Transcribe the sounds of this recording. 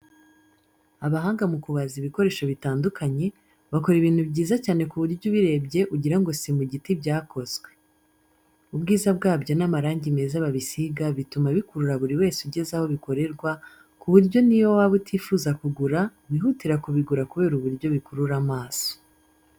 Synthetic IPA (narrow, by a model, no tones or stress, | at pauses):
aβaɦaːŋɡamukuβaziβiko̞ɾe̞ːʃoβitaːndukaɲe̞ | βako̞ɾiβiːn̥hubɟiːzacaːne̞kuβuɾjuβiɾe̞ːbɟe̞ʔuɟiɾaŋɡo̞simuɟitibɟaːko̞zɡwe̞ | ubɡiːzabɡaːbɟo̞namaɾaːɲɟimezaβaβisiɡaβitumaβikuɾuɾaβuɾiwe̞ːsuɟe̞zaho̞βiko̞ɾe̞ɾɡwa | kuβuɾɟo̞niwowaβutʰiːfuzakuɡuɾa | βiɦutiɾakuβiɡuɾakuβe̞ːɾuβuɾjo̞βikuɾuɾamaːso̥